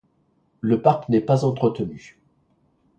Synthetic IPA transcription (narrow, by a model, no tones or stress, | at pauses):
ləpaʁknɛpazɑ̃t̪χət̪əny